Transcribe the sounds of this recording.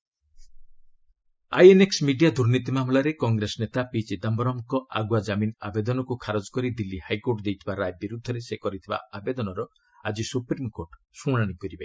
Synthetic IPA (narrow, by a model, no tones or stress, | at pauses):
a̰jeneksmiɖijad̪uɾnit̪imamlaɾekɔŋɡɾesɔnet̪apit͡ʃid̪ambɔɾɔmkɔʔa̰ɡwad͡ʒaminabed̪ɔnɔkukʰaɾod͡ʒɔkɔɾid̪ilːihajkoɾʈd̪ejt̪ʰibaɾajbiɾud̪ʱːɔɾesekɔɾit̪ʰiba̰abed̪ɔnɔɾɔ | ad͡ʒisupɾimkoɾʈ | sũɽ̃aɽ̃ikɔɾibe